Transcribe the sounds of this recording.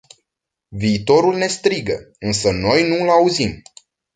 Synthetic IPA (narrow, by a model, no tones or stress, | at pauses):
viːt̪o̞ɾulne̞st̪ɾiɡə̰ | ɨnsəno̞jnulauzim